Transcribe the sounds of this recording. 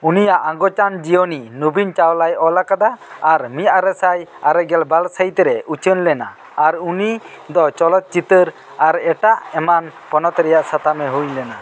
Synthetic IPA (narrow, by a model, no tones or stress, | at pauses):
unijaʔaŋɡɔt͡ʃand͡ʒijɔninubint͡ʃawlajɔlakad̪aːɾmijaɾɛsajaɾɛɡɛlbalsajt̪ɛɾɛʔut͡ʃənlɛna̰ː | ɾuni | d̪ɔt͡ʃɔlɔt̪̚t͡ʃit̪əɾ | aɾɛʈaʔɛmanpɔnɔt̪ɾɛjaʔsat̪amɛɦujlɛna